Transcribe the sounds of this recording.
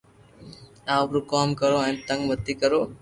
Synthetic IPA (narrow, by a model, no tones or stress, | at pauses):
aːpɾukɔːmkəɾoant̪ə̃ŋɡmət̪ːikəɾoː